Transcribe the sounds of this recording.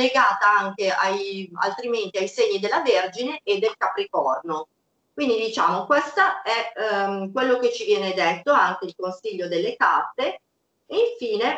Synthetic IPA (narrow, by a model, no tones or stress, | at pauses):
leɡaːt̪aaŋk̟eʔaja̰lt̪ɾiment̪iajseɲːid̪elːaverd͡ʒineʔed̪ːelkapɾikɔrno | kwind̪id̪it͡ʃaːmokwest̪aɛkwelːok̟et͡ʃivjɛːned̪et̪ːoaŋk̟eilkonsiʎːod̪elːeka̰rt̪ːe | eiɱfiːne